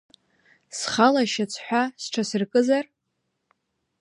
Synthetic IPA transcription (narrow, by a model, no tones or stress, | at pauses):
sχalaʃat͡sʰħʷᶣasʈ͡ʂʰasɨrkʼɨzar